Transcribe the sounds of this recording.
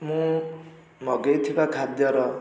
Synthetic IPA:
mũ | mʌɡʌjt̪ʰibakʰad̪jʌɾʌ

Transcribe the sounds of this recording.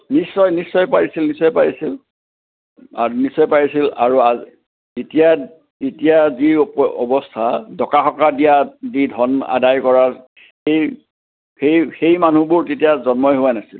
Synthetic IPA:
nisːɔjnisːɔjpaɹisilnisɔjpaɹisil | anisːɔjpaɹisila̰ɹua | etija | etijazipɔbɔstʰadʱɔkaxɔkadijazidʱɔna̰dajkɔɹa | xej | xejxejman̤ubʊɹtetijazɔnmɔjɦʊanasil

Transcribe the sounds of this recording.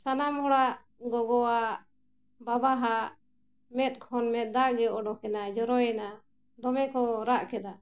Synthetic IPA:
sanamhɔɽaʔ | ɡɔɡɔwa | babaɦaʔ | mɛt̪̚ˀkʰɔnmɛt̪̚ˀd̪aʔɡɛɔɖɔkɛnad͡ʒɔɾɔjɛna | d̪ɔmɛkɔɾaʔkɛd̪a

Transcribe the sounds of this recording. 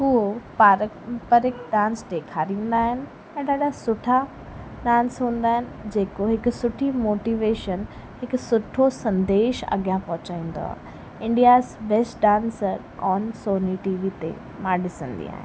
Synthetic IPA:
ʊɦopaːɾ | pɐɾɪk̚ɖãːnsd̪eːkʰaɾĩːn̆d̪aːɦɪnɪ̆ | ɛ̃ːɗaːɗʱasʊʈʰa | ɗãːnsɦũːn̆d̪aːɦɪnɪ̆d͡ʑeːkoɦɪkʊsʊʈʰimoːʈiːʋeːʃən | ɦɪkʊsʊʈʰosɐ̃nd̪eːʃɐ̰ɡjãpɐɦʊt͡ɕaːĩːn̆d̪o̰a̰ː | ɪ̃ɳɖijaːzbeːsʈɖãːnsəɾ | ɔːnsoːniʈiːʋit̪ḛ | mãːɗɪsə̰̃nd̪ḭa̰ːɦɪ̰̃n

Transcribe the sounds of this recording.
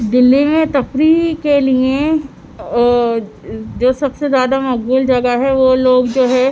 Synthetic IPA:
d̪ɪlːimẽt̪ɐpɾikeliẽ | ɔː | d͡ʒoːsɐbsezjaːd̪amɐkɡuːld͡ʒɐɡaɦɛʋoloːɡd͡ʒoːɦɛ̃ː

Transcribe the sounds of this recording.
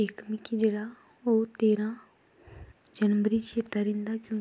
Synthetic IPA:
ɪkmɪkid͡ʒeːɽaː | oːt̪eːɾãː | d͡ʒənʋəɾiːt͡ʃʰeːt̪aːɾẽnd̪aːkjõː

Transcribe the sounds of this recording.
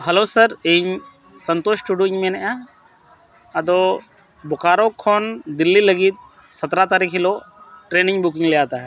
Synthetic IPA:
ɦɐloːsəɾeɲ | sənt̪oːʃʈuɖjoɲmenɛʔa | ɐd̪o | bɔkaːɾokʰːond̪ilːiləɡit̪̚ | sɐt̪ɾat̪aɾikʰiloʈɾeːnɪŋbuk̬ɪŋlɛaːt̪aɦɛ

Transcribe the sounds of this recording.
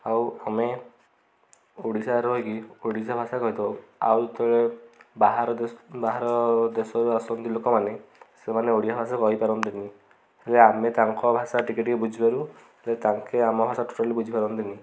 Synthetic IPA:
awame | oɽisaɾɦojkioɽisabʱasakɔɦit̪awa̰wt̪ɔɭebaɦaɾɔbaɦaɾɔd̪esɔɾuasɔnt̪ilokɔmanesemaneoɽisabʱasakɔɦipaɾɔnt̪ini | heleamet̪aŋkɔbʱasaʈikiʈkebud͡ʒʱibaɾu | helet̪aŋkeamɔbʱasaʈu̥ʈalibud͡ʒʱipaɾɔnt̪ini

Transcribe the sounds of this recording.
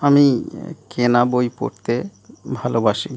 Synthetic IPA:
amikenabojpo̰ɾt̪ebʱalobaʃi

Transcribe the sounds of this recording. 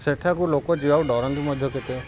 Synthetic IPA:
seʈʰakulokɔd͡ʒibawɖɔɾɔnt̪imɔd̪ʱjɔket̪e

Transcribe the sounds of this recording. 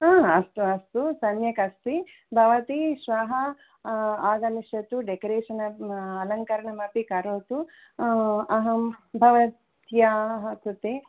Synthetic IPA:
aːɐst̪uɐst̪usɐnjɐkɐst̪i | bʱɐʋɐt̪iʃʋaɦɐ | aːɡ̪ɐmiʃjɐt̪uɖekɐɾeːʂɐnɐɐlɐŋkɐɾɐɳɐmɐpikɐɾoːt̪u | ɐɦɐmbʱɐʋɐt̪jaɦɐkut̪e

